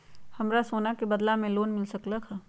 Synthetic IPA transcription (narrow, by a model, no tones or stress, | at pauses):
hɐmɾasoːnakebɐd̪lamẽloːnmɪlsɐklakʰa